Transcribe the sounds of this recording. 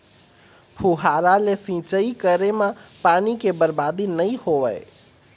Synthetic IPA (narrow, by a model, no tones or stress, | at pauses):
pʰuɦaɾalesĩt͡ʃəikəɾemepanikebəɾbad̪inəjhoʋəj